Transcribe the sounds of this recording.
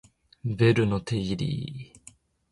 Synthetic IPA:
veɾɯ̟not̪ʰeiɾʲḭ

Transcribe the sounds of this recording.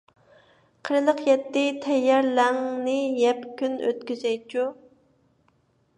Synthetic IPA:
qʰəɾɨlˠəqjɛt̪ːɪt̪ʰɛjːɛɾlɛŋnɪjɛpkʲynø̰t̪̚kʲyzɛjt͡ʃʰu

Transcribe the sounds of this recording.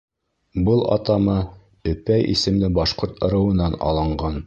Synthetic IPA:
bɤlˠɑ̰t̪ɑmɤ | ɵ̆pæjḭsɘ̆mlɘbɑʃqoɾt̪ɤ̆ɾɤ̆wɤ̆nːɑnɑ̰lˠɤ̆ɴɢɑn

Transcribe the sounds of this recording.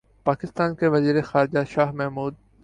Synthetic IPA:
paːkɪst̪aːnkeʋɐziːɾexaːɾɪd͡ʒaʃaːɦmɛɦmuːd̪̚

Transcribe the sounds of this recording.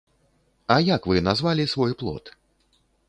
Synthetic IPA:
ajakvɨnazvalʲisvɔjplˠɔ̰t̪

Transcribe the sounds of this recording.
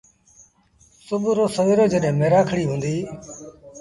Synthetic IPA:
sʊbʱɾoːsəʋeːɾoːd͡ʒəɗɦẽːmeːɾaːkʰəɽiːɦũːnd̪iː

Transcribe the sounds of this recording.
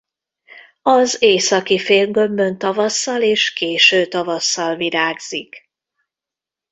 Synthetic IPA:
ɒzeːsɒkifeːlɡømbø̞nt̪ɒvɒsːɒleːʃkeːʃøːt̪ɒvɒsːɒlviɾaːɡz̥ik

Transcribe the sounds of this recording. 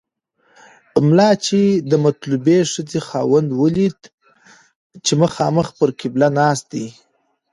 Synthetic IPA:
mlɑt͡ʃed̪əmat̪lubeʂəd͡zexɑwand̪wəlid̪ | t͡ʃeməxɑ̰məxpəɾkɪblanɑst̪̚d̪i

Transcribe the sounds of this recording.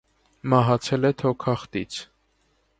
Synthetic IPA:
mɑɦɑt͡sʰɛlɛt̪ʰɔkʰɑχt̪it͡sʰ

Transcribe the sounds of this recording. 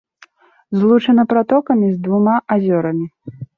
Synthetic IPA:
zlˠut͡ʂɐnɐpɾat̪ɔkɐmʲizd̪vumaʔazʲɔɾɐmʲi

